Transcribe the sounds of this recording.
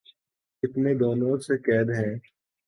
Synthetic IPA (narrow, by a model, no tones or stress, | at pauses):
ɪt̪ned̪ɔːnoːɾsekɛːd̪ɦɛ̃ː